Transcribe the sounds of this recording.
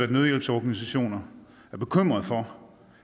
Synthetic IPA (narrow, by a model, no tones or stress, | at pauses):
æd̥með̞ˠjelb̥sɒːɡ̥ænis̬æɕo̝̰ːnɐ | æɐb̥e̝kʰøm̰ʁɐð̩ˠfɒ